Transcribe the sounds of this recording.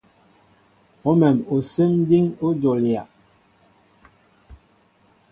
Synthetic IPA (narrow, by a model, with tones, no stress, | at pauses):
o˦mɛ˨mo˨se˦m˦di˦ŋo˦d͡ʒo˨lja˨